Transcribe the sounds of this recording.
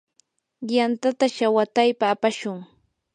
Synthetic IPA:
jant̪at̪aʃawat̪ajpaːpaʃʊŋ

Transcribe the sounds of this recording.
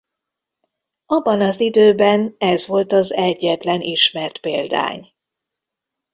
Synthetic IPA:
ɒbːɒnɒzid̪øːbɛnɛzʋo̞lt̪ɒzɛɟːɛt̪lɛnʔiʃmɛrt̪peːld̪a̰ːɲ

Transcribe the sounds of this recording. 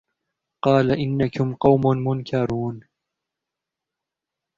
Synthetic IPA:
qɑːlaʔɪnːakʊmqɑwmʊnmʊnkʰɑɾˤuːn

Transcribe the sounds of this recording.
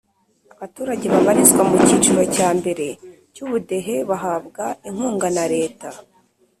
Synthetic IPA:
aβatuːɾaɟe̞βaβaɾizɡwamuciːt͡ʃuɾo̞caːmbe̞ɾe̞ | cuβude̞ɦe̞βaɦabɡaiŋ̥huːŋɡanaɾe̞ːta

